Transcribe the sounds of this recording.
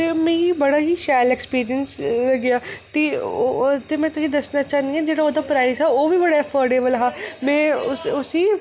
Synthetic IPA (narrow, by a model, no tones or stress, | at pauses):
t̪emẽːibɐɽaːɦiʃaːjlekspiːɾiənslɐɡjaːt̪e | t̪emɛ̃ːt̪ʊsĩd̪ɐsnat͡ʃaːnd̪iɛ̃d͡ʒeːɽaoːd̪apɾaːɪzɦaoːʋibɐɽaɛfɔːɾɖeːbəlɦamɛ̃ːʊʊsi